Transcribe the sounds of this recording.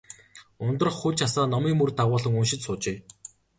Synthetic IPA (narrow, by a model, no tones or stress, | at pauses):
ʊnt̪ə̆rχːʊt͡ɕʰasaːnɔmiːmɵrt̪aʁʊːɮə̆ŋɵnʃɪ̆t̪sʊːt͡ɕeː